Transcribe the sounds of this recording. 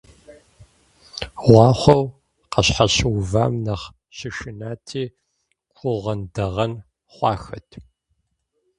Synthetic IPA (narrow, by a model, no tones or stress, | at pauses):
ʁʷɑːχʷɔw | qɐɕħaɕwva̰ːmnɐχ | ɕɪʃɪnaːtʰiː | kʷʰʼʊʁɐndɐʁɐn | χʷɑːxɐtʰ